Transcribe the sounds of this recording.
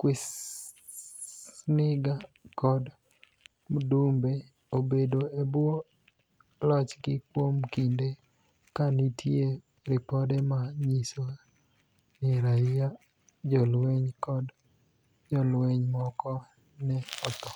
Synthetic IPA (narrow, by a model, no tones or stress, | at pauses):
kwɪs | nɪɡakɔd | mdumbe | obedoebwo | lɔt͡ʃɡɪkwomkinde | kanitʰje | ɾɪpɔdɛmaɲiso | nɪɾaia | d͡ʒɔlweɲkɔd | d͡ʒɔlweɲmɔkɔ | nɛɔt̪ɔ